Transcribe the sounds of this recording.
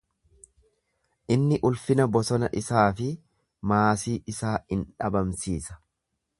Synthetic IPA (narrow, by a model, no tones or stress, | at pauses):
ʔɪnːɪʔʊlfɪnɐbɔsɔnɐʔɪsaːfɪ | maːsiːʔɪsaːɪnᶑɐbɐmsiːsɐ̥